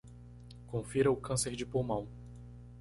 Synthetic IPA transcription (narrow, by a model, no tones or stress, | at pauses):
kõfiɾɐʊkɐ̃seɾd͡ʒɪpõwmɐ̃w̃